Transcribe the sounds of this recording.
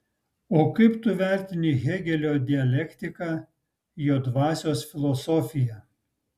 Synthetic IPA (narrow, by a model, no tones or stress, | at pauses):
oːkɐɪpt̪ʊʋʲæˑɾʲt̪ʲɪnʲɪɣʲɛɡʲɛlʲoːd̪ʲɪɛlʲɛkt̪ʲɪkɑ | joːd̪ʋɑːsʲoːsfʲɪlˠɔsɔfʲɪjɛ